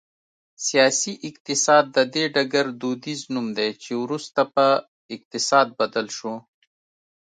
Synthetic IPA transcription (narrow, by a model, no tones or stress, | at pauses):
sijaːsiʔɪq̚t̪ɪsɑːd̪̚ːɐd̪eɖɐɡɐɾd̪ud̪iznumd̪et͡ʃewɾust̪apɐ | ɪq̚t̪ɪsɑːd̪̚bɐd̪əlʃu